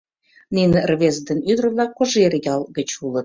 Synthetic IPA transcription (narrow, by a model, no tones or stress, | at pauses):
ninerβezd̪ənyd̪rə̆βlɑkːoʒerʲjɑlˠɡə̆t͡ɕulɤ̆t̪̚